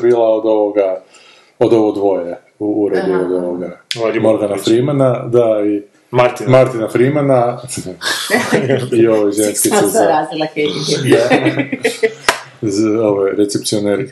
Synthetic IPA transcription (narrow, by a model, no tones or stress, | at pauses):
bilˠaod̪o̞ʋoɡa | od̪oʋoɡd̪ʋo̞je | uuɾed̪iod̪o̞ʋoɡamoɾɡanafɾimanad̪ai | maɾt̪maɾt̪inafɾimana | io̞ʋojʒenskisezɾaːzilakeʒid̪a | zoʋojɾet̪sep̚t̪ioneɾ